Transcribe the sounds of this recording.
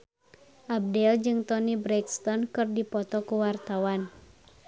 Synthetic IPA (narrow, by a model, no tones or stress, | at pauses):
ʔab̚dɛld͡ʒɨŋt̪ɔnibɾɛkst̪ɔnkɨrdipɔt̪ɔkuwart̪awan